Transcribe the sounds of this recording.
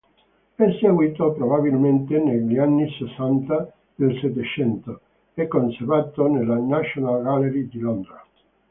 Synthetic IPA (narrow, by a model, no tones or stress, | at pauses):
ɛseɡwiːt̪opɾobaβilment̪eneʎianːisesːant̪a | d̪̥elset̪ːet͡ʃɛnt̪o | ɛkːonseɾvat̪onelanaʃonalɡaleɾid̪ilɔnd̪ɾa